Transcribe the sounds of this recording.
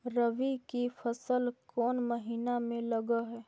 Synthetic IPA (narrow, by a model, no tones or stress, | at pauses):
ɾəʋikifʰɐsəlkɔːnməɦiːnamẽlɐɡəɦɛː